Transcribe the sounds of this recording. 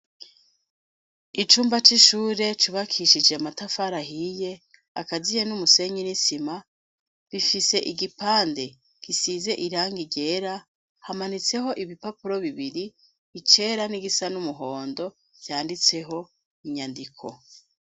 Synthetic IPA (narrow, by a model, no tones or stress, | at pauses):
it͡ʃuːmbat͡ʃiʃuːɾe̞t͡ʃuβakʰiʃid͡ʒe̞matafaɾaɦije̞ | a̰kazijenumuse̞ɲinisima | βifise̞ʔiɡipaːnde̞ | kisiːze̞ʔiɾaːŋɡiɟe̞ːɾa | hamanit͡se̞ɦo̞ʔiβipapuɾo̞βiβiɾi | βit͡ʃe̞ɾaniɡisanumuɦo̞ːndo̞ | ɟjaːndit͡se̞ɦo̞ | iɲandikʰo̞̰